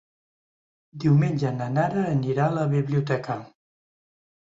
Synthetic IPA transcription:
d̪iwmenʲd͡ʒənənaɾəːniɾaləβiβliut̪ɛkə

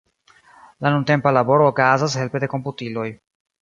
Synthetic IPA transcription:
lanunte̞mpalabo̞ɾoːkazas̬he̞lpe̞de̞ko̞mputilo̞j

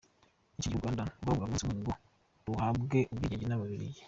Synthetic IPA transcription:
iciɟiɡwaːndaɡaβuɡamusiwuɲiŋɡo | ɾuhaːbɡeʔubɡiːɟeɟinaβaβiɾḭje

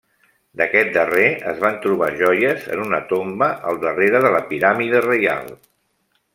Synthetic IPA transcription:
d̪əkɛt̪̚d̪əreə̰zβ̞ant̪ɾuβ̞aʒɔjəzə̰nunət̪ombəʔəlˠd̪əreɾəðələpiɾamiðərəja̰lˠ

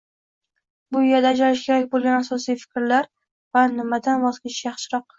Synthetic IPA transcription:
bʊɪjad̪aːd͡ʒalɪʃkʲʰe̞ɾakʲbolˠɡʲanasɒsijfɪ̥kʲɾlaɾ | vanɪmad̪anbɒzkʲɪʃjɑχʃɪɾɒq̚

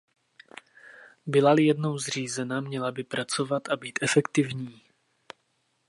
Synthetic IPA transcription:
bɪlalɪjɛdno̞wzr̝iːzɛnamɲɛlabɪpɾat͡so̞vat̪ʔabiːt̪ʔɛfɛkt̪ɪvɲiː

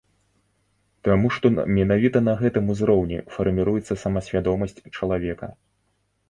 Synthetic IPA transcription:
t̪amuʂt̪ɔ̰mʲɛnavʲit̪ɐnɐɣɛt̪ɨmuzɾɔwnʲɛ̰fɐrmʲiɾujɛt̪sːɐsɐmɐsʲvʲad̪ɔmɐsʲt͡sʲt͡ʂɐlˠavʲɛkɐ̰

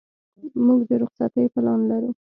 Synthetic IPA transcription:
muɡd̪əɾʊχsat̪əjpəlɑnlaɾu

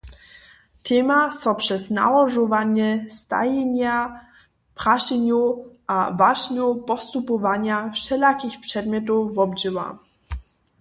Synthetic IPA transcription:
t̪ɛmasɔpʂɛzna̰wɔʐɔvaɲɛst̪a̰jɛɲa | pχaʂɛɲuʔavaʐɲupɔst̪upɔvaɲafʂɛlakʲixpʂɛd̪mʲjɔt̪̬uvɔbʐɘwa̰

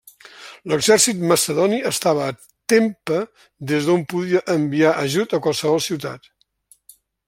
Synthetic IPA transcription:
ləɡzɛrsit̪məsəðɔniəst̪aβəː | t̪empə | d̪ezðompuðiəʔəmbiaʔəʒut̪əkwalˠsəβɔlˠsiwt̪a̰t̪

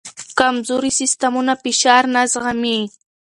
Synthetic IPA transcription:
kamzʊɾɪsɪst̪amʊnapɪʃaɾnasɢɑmi

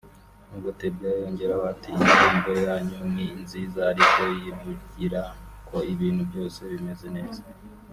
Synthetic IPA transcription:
nuɡotebɡajo̞ːɲɟe̞ɾaβatiːnd͡ʒuːmɡojaɲumŋiːnziːzaːɾiko̞jiβuɟiɾakʰo̞iβiːnhubjo̞ːse̞βime̞ze̞ne̞ːza

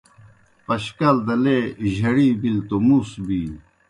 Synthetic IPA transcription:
pɐɕkɐld̪ɐleʑʱɐɽiːbilt̪omusbi

